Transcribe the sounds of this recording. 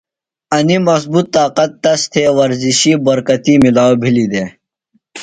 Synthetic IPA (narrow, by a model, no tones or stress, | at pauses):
ɐnimɐs̬but̪ːaːqɐt̪ːɐst̪ʰeːwɐɾziɕibɐɾkɐt̪imilaːwbʱilid̪eː